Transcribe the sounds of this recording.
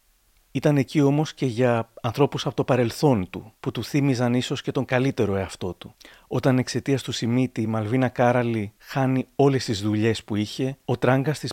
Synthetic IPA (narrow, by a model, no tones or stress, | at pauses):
it̪ɐne̞cio̞mo̞sce̞ʝɐːnθɾo̞pusɐpo̞t̪opɐɾe̞lθo̞nt̪ṵput̪uθimizɐniso̞sce̞t̪o̞ŋɡɐlit̪e̞ɾo̞e̞ɐft̪o̞t̪u | o̞t̪ɐne̞kse̞t̪iɐst̪usimit̪imɐlvinɐkɐɾɐlixɐnio̞le̞st̪izðuʎe̞spuiçe̞o̞t̪ɾɐŋɡɐst̪is